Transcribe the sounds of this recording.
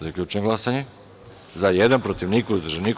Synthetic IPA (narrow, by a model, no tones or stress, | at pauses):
zakʎʲut͡ʃneɡlˠasaɲe | zajed̪anpɾot̪iʋnikozd̪rʒenik